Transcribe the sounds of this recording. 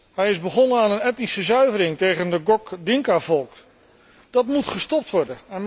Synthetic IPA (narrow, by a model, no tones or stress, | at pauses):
ɦɛjɪzbəχɔnəaːnənɛtnisəzœɥvəɾɪŋtejχəndəɡɔkdɪŋkavɔlˠk | d̥ɑtmutχəstɔp̚tʋɔɹdəɛn